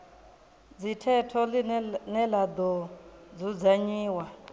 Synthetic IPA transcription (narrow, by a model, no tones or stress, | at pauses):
d͡zitʰɛtʰɔlinɛlad̪ɔd͡zud͡zaɲiːwa